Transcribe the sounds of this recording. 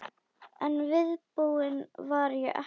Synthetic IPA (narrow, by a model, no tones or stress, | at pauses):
ɛnvɪðpuːɪnvaɾjʏʔɛ̰